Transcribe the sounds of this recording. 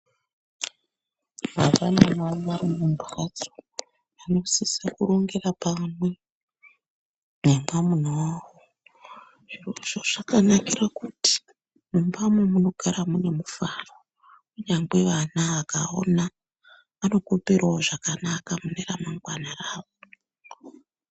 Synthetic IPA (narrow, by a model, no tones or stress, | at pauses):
mavanamwariʋaɾimumbrat͡so̥ | ano̞sisakuɾo̞ŋɡe̞rapamwe̞ | nemamunowo | ʐiroʐoʐakanakirakuti̥ | mumbamwemuno̞ɡʱaɾamune̞mufaro | uɲaŋɡwe̞ʋanaakao̰na | ano̞kupiraoʐakanakamuneramaŋɡwanaraːʋo